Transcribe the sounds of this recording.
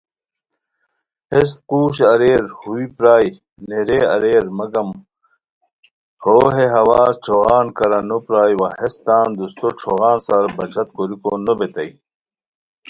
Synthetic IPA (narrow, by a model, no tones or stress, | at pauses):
hes̬t̪quːɕɐɾeːɾhuipɾaːj | neɾeɐ̰ɾeːɾmɐɡɐm | hoːɦeɦɐwaːsʈ͡ʂʰoːɣaːnkɐɾɐnopɾaːjwɐhest̪aːnd̪ust̪oʈ͡ʂʰoɣaːnsaɾbɐt͡ɕʰɐt̪koɾikonobet̪ɐj